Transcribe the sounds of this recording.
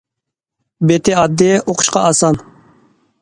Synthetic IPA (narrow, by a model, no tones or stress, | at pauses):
bet̪ʰɪɑd̪ːɪʔoqʰʊ̥ʃqɑɑsɑn